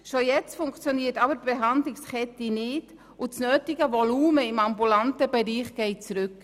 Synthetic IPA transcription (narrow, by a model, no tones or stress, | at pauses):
ʃojɛt͡stfʊŋkt͡sjoniːətɑbəɾb̥ɛɦɑnd̪lɪkskʰɛtinɪd | ut͡snøːtɪɡəʋɔluːməɪmɑmbulɑntəbɛɾiːχɡ̥ɛɪt͡sɾʏk